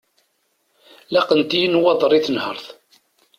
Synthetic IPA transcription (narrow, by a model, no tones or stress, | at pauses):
læqənt̪ijənwɑðˤɾˤiθənhəɾˤθ